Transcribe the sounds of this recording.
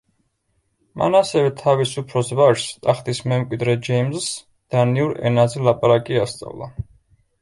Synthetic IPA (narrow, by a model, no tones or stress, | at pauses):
mʔa̰nasɛvɛt̪ʰavisupʰɾɔsvaʃst̪ʼaχt̪ʼismɛmkʼwid̪ɾɛd͡ʒɛjmzs | d̪̥aniuɾɛ̰nazɛlˠapʼaɾakʼiast̪sʼa̰vlˠa̰